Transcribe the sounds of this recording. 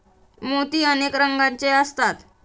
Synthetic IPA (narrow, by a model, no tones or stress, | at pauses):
mot̪iːənekɾəŋɡaɲt͡ɕeəst̪at̪